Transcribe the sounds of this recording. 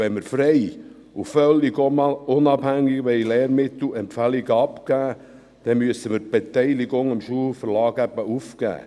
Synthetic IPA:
ɛnməɾfɾɛɪ | ufœlːiɡomɑlʊnɑbhæŋːiɡʋeɪlɛːɾmɪt̪l̩ɛmpfæliɡəɑpkæː | d̪̥ɛmyəsəməɾ̚b̥et̪ɛɪliɡʊŋɪmʃuːlfəɾlɑːɡæbəufkæ̰ː

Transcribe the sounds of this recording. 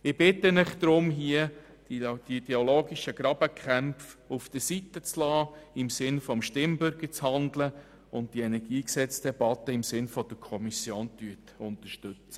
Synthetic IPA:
ɪb̥ɪt̪ːənɪχd̪̥ɾʊmɦiə | d̥iidɛoloːɡiʃəɡɾɑb̥əkʰχæmfufd̪̥əsitət͡slɑːɪmsɪnfɔmʃtɪmbʏɾɡəɾt͡shɑndlə | ʊnt̚d̥iɛnɛɾɡ̥iːksɛt͡sd̥ɛb̥ɑt̪ːəɪmsɪnfɔd̥̪əkʰɔmisjoːntyətʊntəɾʃtʏt͡sə̥

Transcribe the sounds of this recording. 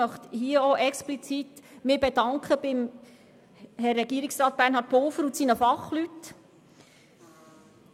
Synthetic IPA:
œχt̪hiəoʔɛksplit͡sitmɪːbedɑŋkχəb̥ɪm | hɛrːɛɡiəɾiksɾɑːt̪̚b̥æːɾnɦhɑːt̚polfəɾutsiːnəfɑχlyt

